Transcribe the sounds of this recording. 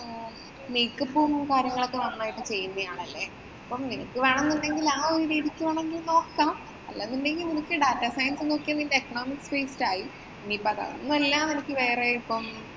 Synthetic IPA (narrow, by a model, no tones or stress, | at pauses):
nejkːɐpːumkaːɾjɐŋːɐɭokːeʋɐnːaːjiʈːɨt͡ɕe̞jːunːɐjaːɳɐlːe̞ | ɐpːɐmninɐ̰kːɨʋɐɳunːuɳɖe̞ŋɡilaːoɾuɾiːðikʲːumaːɳe̞ŋɡilno̞ːkːam | ɐ̰lːenːunɖe̞ŋɡilninikʲːɨɖaːtːasajɐnsɨno̞ːkːijanːiɡilɖekːɐɳo̞ːmikːspeːstaːji | niːpɐɣɐ̰nːuelːaːmnenikʲːɨʋe̞ːreipːɐm